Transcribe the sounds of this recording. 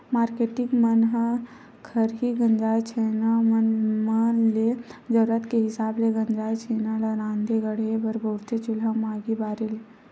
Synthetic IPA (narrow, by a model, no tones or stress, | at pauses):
maːɾkeːʈɪŋɡmɐnɦə | kʰɐɾɦiɡɐ̃ɲd͡ʒaːjt͡ʃʰeːnamnmaled͡ʒɐɾɾət̪keɦɪsaːbleɡɐ̃ɲd͡ʒaːjt͡ʃeːnalaɾãːnd̪ʱeɡɐɽebɐɾboːɾt̪et͡ʃʊlamaːɡibaːɾɪl